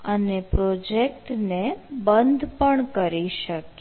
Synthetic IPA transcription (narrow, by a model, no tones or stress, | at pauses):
ənepɾod͡ʒekʈnebənd̪ʱpəɳkəɾiʃək